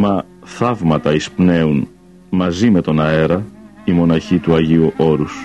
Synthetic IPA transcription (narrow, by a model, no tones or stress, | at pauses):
mɐ | θɐvmɐt̪ɐispne̞un | mɐzime̞t̪o̞nɐe̞ɾɐ | imo̞nɐçit̪uɐʝiuʔo̞ɾus